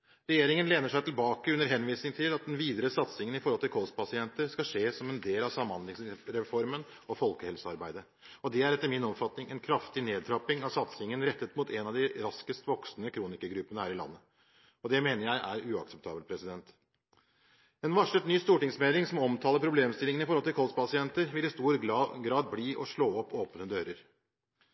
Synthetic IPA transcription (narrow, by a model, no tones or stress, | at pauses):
ɾɛjeːɾɪŋənleːnəʂæɪt̪ʰɪlbɑːkəʉnːəɾɦɛnʋiːsnɪŋt̪ʰɪlɑt̪̚d̪ɛnʋiːd̪əɾəsɑt̪sɪŋənɪfɔɾhɔlt̪ɪlkʰɔspʰɑsɪɛnt̪əɾskɑʂeːsɔmɛnd̪eːlɑʋsɑmːɑnd̪lɪŋsɾɛfɔɾmən | ɔfɔlkəɛlsəɑɾbæɪd̪ə | ɔd̪ɛæɾɛt̪ːəɾmɪnɔmfɑt̪nɪŋɛnkʰɾɑft̪ɪneːd̪̚ɾɑpɪŋɑʋsɑt̪sɪŋənɾɛt̪ːət̪muːt̪ʰɛnɑd̪ɪɾɑskəst̪ʋɔksnəkʰɾuːnɪkəɡɾʉpːənəhæːɾɪlɑ̰nːə | ɔd̪ɛmeːnəɾjæɪʔæɾʉːɑksɛp̚t̪ʰɑ̰ːbəlpʰɾɛsɪd̪ɛnt̪ | ɛnʋɑʂət̪nyːst̪uːʈɪŋsmeːlɪŋsɔmɔmt̪ʰɑːləɾpʰɾʊbleːmst̪ɪlɪŋənɪfɔɾhɔlt̪ɪlkʰɔlspɑsɪɛnt̪əɾʋɪlɪst̪uːɾɡɾɑːd̪̚bliːʔɔʂɭoːɔpːoːpnəd̪øːɾəɾ